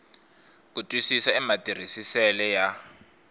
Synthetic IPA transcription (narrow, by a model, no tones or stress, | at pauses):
k̬utʼwisisaɛmatʼir̤isisɛlɛja